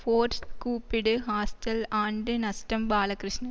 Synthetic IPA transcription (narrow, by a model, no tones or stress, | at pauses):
foːɾkuːpːiɽɨɦaːsʈɐlaːɳɖɨnɐsʈɐmbaːlɐkɾɨʂɳɐ